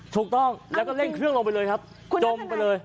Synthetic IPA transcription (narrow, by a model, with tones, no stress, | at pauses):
t̪ʰu˨˩k̚t̪ɔ˥˩ŋlɛː˦˥wkɔː˥˩le˥˩ŋkʰɯ˥˩əŋlo˧mpa˧jlɤː˧jkʰa˦˥p̚ | t͡ɕo˧mpa˧jlɤː˧j